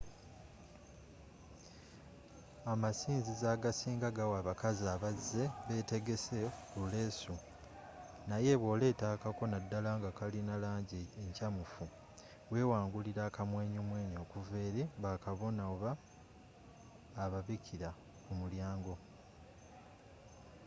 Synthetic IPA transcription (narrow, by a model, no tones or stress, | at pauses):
amasiːnzizaːɡasiːŋɡaɡawaːβakaziaβazːe̞βe̞ːte̞ɡe̞se̞kule̞ːsu | naje̞βwo̞ːle̞ːtakako̞nadːalaŋɡakalinalaːɲɟieɲcamufu | we̞ːwaːŋɡuliɾaːkamwe̞ːɲoːmwe̞ːɲo̞ːkuve̞ːɾeβakaβo̞naoβa | βaβicʰiɾa | kumuljaːŋɡo̞